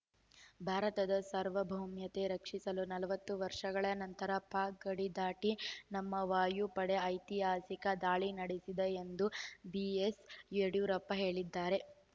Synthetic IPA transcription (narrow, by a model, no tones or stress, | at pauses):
bʱaːɾɐt̪ɐd̪ɐsɐɾʋɐbʱɐwmjɐt̪e̞ɾɐkʂisɐlunɐlɐʋɐt̪ːuʋɐɾʂɐɡɐɭɐnɐnt̪ɐɾɐpaːk̚ɡɐɽid̪aːʈinɐmːɐʋaːjupɐɽe̞ɐjt̪iɦaːsikɐd̪aːɭinɐɽisid̪eend̪ubieseɽjuːɾɐpːɐɦe̞ːɭid̪ːaːɾe̞